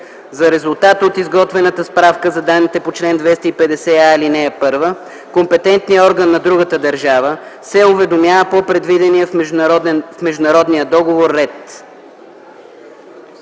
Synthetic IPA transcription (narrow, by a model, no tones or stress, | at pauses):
zɐɾɛzʊlˠt̪at̪ot̪izɡɔt̪vɛnət̪əspɾafkəzɐd̪anːit̪ɛpot͡ʃlɛnd̪vɛst̪əipɛd̪ɛsɛailinɛɛpɤɾvə | kompɛt̪ɛnt̪nijəɔɾɡənːɐd̪ɾuɡət̪əd̪ɐɾʒavəsɛʊvɛd̪omjavəpopɾɛd̪vid̪ɛniə | fmɛʒd̪ʊnɐɾɔd̪nijəd̪ɔɡovoɾːɛt̪